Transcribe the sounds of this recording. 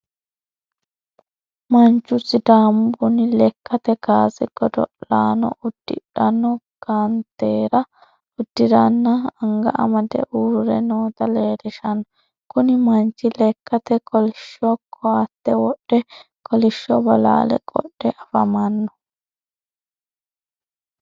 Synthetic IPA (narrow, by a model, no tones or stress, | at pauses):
mɐnt͡ʃːʊsɪd̪aːmbʊnɪlɛkːɐt̪ɛɡaːsɪɡ̥ɔd̪ɔʔlaːnɔ̰ʔʊd̪̥ːɪ̰ᶑɐnːɔ | ɡ̥ant̪eːɾɐ | ʊd̪̥ːɪd̪ɐnːɐɐŋɡɐ̰ʔɐ̰mɐd̪ɛ̰ʔuːɾɾɛ̰noːt̪ɐleːɾɪʃɐnːɔ | kʊnɪmɐnt͡ʃːɪlɛkːɐt̪ɛkʰɔlɪʃɔkʰɔat̪ːɛwɔɗːɛ | kɔlɪʃːɔbɐla̰ːlɛ̰kʼɔ̰ɗɛʔɐfɐmɐnːɔ̥